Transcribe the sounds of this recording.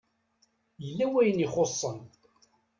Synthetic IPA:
jəlːæwæjənɪχosˤːən

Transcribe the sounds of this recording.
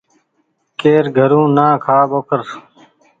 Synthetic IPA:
keːɾɡʱəɾũːnãːkʰaːboːkəɾ

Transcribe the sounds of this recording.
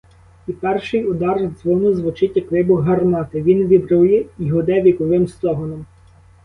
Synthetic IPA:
ipɛrʃɪjʊd̪ɑrzʋɔnʊzʋʊt͡ʃɪtʲjɐkʋɪbʊɦɐrmɑt̪ɪʋʲinʋʲibɾujɛiɦɔd̪ɛʋʲikɔʋɪmst̪ɔɦɔnɔm

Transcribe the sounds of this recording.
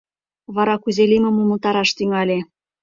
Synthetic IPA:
βɑɾɑkuzelʲimə̆muməlt̪ɑɾɑʃt̪yŋɑlʲe

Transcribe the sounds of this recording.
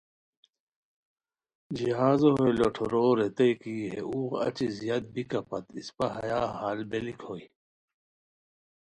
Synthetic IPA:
d͡ʑiɦaːzoɦojloʈʰoɾoːɾet̪ɐjkiɦḛuːɣɐ̰t͡ɕizijad̪̚bikɐpɐt̪ispɐɦɐ̰jaːɦaːlbelikhoːi

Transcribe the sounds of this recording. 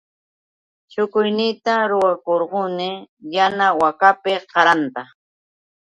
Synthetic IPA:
t͡ʃʊkʊjnɪt̪aɾʊwakoɾɢʊnɪjanawakapɪqɑɾant̪a

